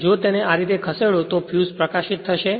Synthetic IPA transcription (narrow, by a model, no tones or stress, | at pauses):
d͡ʒot̪eneaɾit̪ekʰəseɭot̪ofʰjuzpɾəkaʃit̪ʰːəʃe